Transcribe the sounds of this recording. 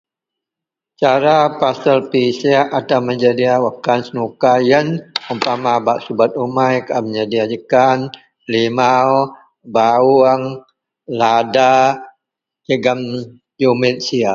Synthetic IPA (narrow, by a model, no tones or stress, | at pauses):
t͡ʃaɾapasəlpisiaat̪aməɲd͡ʒadiawəkansənukajənumpamabaʔsubat̪̚umajkaməɲd͡ʒadiad͡ʒəkan | limaw | bauəŋ | lada | jəɡam | jomet̪̚sia